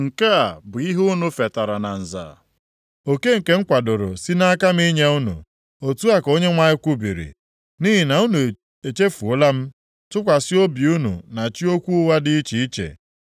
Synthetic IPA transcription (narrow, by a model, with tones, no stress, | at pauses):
ŋ̩˨ke˦a˨bʊ˨i˦ɦu˦nu˨fe˨ta˨ɾa˨na˨n̩˨za̰ː˨ | o˨ke˦ŋ̩˨ke˦ŋ̩˦kʷa˨dʊ˨ɾʊ̰˨si˦na˦a˦ka˦m̩˦i˦ɲe˦u˦nṵ˨ | o˨tu˦a˦ko˦ɲe˦ŋʷa˦ɪ˦kʷu˦bḭ˨ɾḭ˨ | niː˦ɦi˨na˨u˦nu˨ | e˨t͡ʃe˦fu˨ʊ˦la˦m̩˦ | tʊ˦kʷa˨sɪ˦o˦bi˨u˦nṵ˨na˨t͡ʃi˦o˦kʷu˦wa˦dɪ˦i˦t͡ʃi˨i˦t͡ʃḛ˨